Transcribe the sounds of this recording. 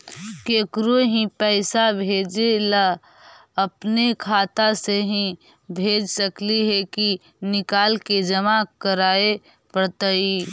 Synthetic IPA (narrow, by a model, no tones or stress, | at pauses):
keːkɾuɦĩpɛːɪsabʱeːd͡ʒela | ɐpnekʰaːt̪aseɦĩ | bʱeːd͡ʒsəkliɦɛki | nɪkaːlked͡ʒɐmakəɾaːe | pɾət̪əi